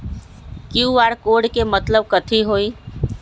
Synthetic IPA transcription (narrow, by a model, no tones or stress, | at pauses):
kjuaːɾkoɖkemət̪ləb̚kət̪ʰiɦoi